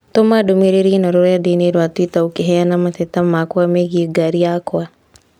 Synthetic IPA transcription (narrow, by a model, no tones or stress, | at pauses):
t̪omadomeɾeɾinɔɾoɾɔjadeneɾwat̪witaukeɦɛanamat̪ɛt̪amakwameɣiɡaɾiakoa